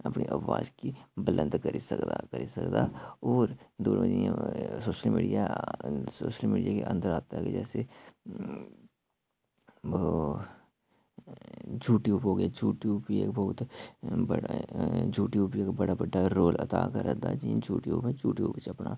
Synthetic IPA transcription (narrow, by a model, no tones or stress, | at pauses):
əpnḭʔɐʋa̰ːd͡ʒkibəlʔə̃nd̪kəɾisəkd̪a̰kəɾisə̰kd̪aɔːɾd̪oːnməd͡ʒiã̰soːʃəlmḭːɖijasoːʃəlmiːɖijakḛʔə̰̃nd̪əɾaːt̪aɦɛkḛd͡ʒɛ̰ːse | d͡ʒuːʈijuːpɦoːɡəjad͡ʒuːʈiuːpiḛkbɐɦʊt̪bəɽd͡ʒuːʈijuːpiekbəɽabəɖaɾoːlɐ̰t̪a̰kəɾɛd̪a̰d͡ʒid͡ʒuːʈiuːpɦɛd͡ʒuːʈiṵːpɪt͡ʃəpna